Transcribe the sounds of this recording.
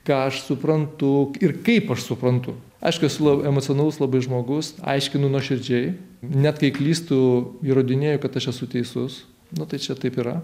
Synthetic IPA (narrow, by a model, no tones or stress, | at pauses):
kɑːɐʃsʊpɾɐnt̪ʊɪrkɐɪpɐʃsʊpɾɐnt̪ʊ | ɐ̰ɪʃkʊɛsʊlˠɐɛmoːt͡sʲɪɔnɑlˠʊslˠɐbɐɪʒmoːɡʊsɐ̰ɪʃʲkʲɪnʊnuɔʃʲɪɾʲd͡ʒʲɛɪ | nʲæt̪kɐɪklʲiːst̪ʊiːɾoːd̪ʲɪnʲeːjʊkɐt̪ɐʃɛsʊt̪ʲɛɪsʊs | nʊt̪ɐɪt͡ʃʲɛt̪ɐɪpiːɾɐ